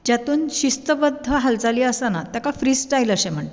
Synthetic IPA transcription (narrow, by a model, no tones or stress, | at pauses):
d͡ʑat̪uːnɕist̪əbəd̪ʱːəɦald͡zaliːəsanat̪jakafɾiːsʈajləɕẽm̤əɳ